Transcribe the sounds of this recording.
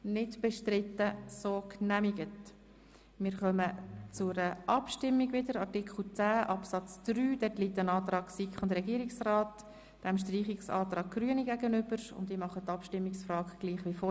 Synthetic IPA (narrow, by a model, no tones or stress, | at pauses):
nɪtb̥ɛʃtɾɪtːəsoːknæmiɡət | mɪːɾχœmət͡sʊɾəʔɑpʃtɪmːiɡʋɪdəɾɑrtɪkχl̩ˠt͡sæːʔɑpsɑt͡sd̪̥ɾyːd̥ɛtliːtːənɑːt̪ɾɑːɡ̥sikχʊndɾɛɡiəɾiksrɑːt | d̥ɛmʃtriːχiksɑ̰ːt̪ɾɑːɡ̚ɡ̥ryəniɡæɡənʏb̥əɾʊ̰ndimɑχət̪ːɑpʃtɪmːɪksfrɑːɡɡ̥liːχʋifɔ